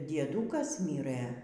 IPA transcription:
dʲiɛˈduːkɐs ˈmʲiːrɘ

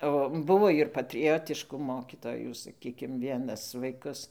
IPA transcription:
oː ˈbʊʋoː ɪr pɐtʲrʲɪˈjoːtʲɪʃkʊ ˈmoːkʲiːtoːjuː sɐˈkʲiːkʲɪm ˈʋʲiɛnɐs ʋɐɪˈkʊs

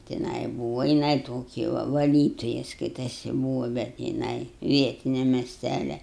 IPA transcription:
tʲɪˈnɐɪ ˈbuːʋɐ jɪˈnɐɪ ˈtoːkʲɪ ʋɐ ʋɐˈlʲiːtoːjɛ ˈskɐɪtɐsʲɪ ˈbuːʋɐ bʲɛt jɪˈnɐɪ ˈʋʲiɛtʲɪnʲɛ mʲɛsʲˈtʲælʲɛ

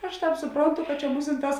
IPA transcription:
ɐʃ ˈtɑːp sʊˈproːnˌtʊ kɐ t͡ʃʲɛ ˈmʊsʲɪnˌtɑːs

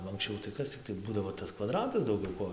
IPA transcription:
nʊ ɐŋksʲˈt͡ʃʲɛʊ tɐɪ ˈkɐs t͡sʲɪkˈtɐɪ ˈbuːdɐʋoː tɐs kʋɐˈdrɑːtɐs dɐʊˈɡʲɛʊ ˈkoː

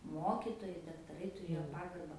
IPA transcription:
ˈmoːkʲɪtoːjɛɪ dɐktɐˈrɐɪ tʊˈrʲeːjoː ˈpɑːɡɐrbɐ

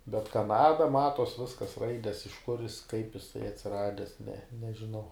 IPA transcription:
bʲɛt ˈkɑːnɐdɐ ˈmɑːtoːs ˈʋʲɪskɐs ˈrɐɪdʲɛs ɪʃ kʊr jɪs kɐɪp ɪˈsɐɪ ɐtʲsʲɪˈrɑːdʲɛs nʲɛ nʲɛʒʲɪˈnɐʊ

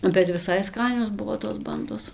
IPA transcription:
bʲɛt ʋʲɪˈsɐɪ ˈskɑːnʲoːs ˈbʊʋoː toːs ˈbɐndoːs

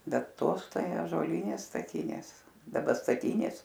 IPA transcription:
ˈbʲɛt ˈtoːs ˈtɐɪ ɑːʒuɔˈlʲiːnʲeːs stɐˈtʲɪnʲeːs dɐˈbɐ stɐˈtʲiːnʲeːs

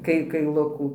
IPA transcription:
ˈkɐɪ kɐɪˈlˠʊkuː

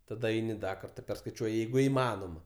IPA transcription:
tɐˈdɐ ˈɛɪnʲɪ ˈdɐ ˈkɐrtɑː pʲɛrskɐɪˈt͡ʃʲuɔjɪ ˈjɛɪɡʊ ɪˈmɑːnoːmɐ

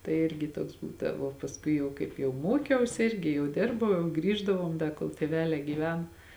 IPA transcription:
tɐɪ ˈɪrʲɡʲɪ ˈtuɔks ˈbuːdɐʋoː pɐsˈkʊɪ jɛʊ kɐɪp jɛʊ ˈmoːkʲɛʊsʲɪ ˈɪrʲɡʲɪ jɛʊ ˈdʲɪrbɐʊ jɛʊ ˈɡrʲiːʒdɐʋoːm ˈdɐ koːlˠ tʲeːˈʋʲæːlʲɛː ɡʲiːˈʋʲɛn

